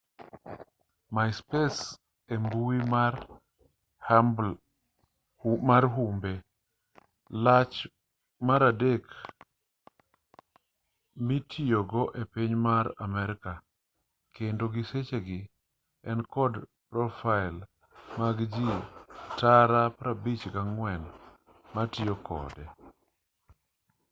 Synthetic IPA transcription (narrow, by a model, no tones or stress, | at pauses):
maɪspes | embuwimaɾ | maɾɦumbe | lat͡ʃ | maɾadek | mitʰioɡɔʔepiɲmaɾamɛɾɪka | kʰendoɡɪset͡ʃeɡɪ | ɛnkɔdpɾɔfaɪl | maɡd͡ʒitaɾapɾabit͡ʃɡaŋwɛn | matɪjokʰɔ̰dɛ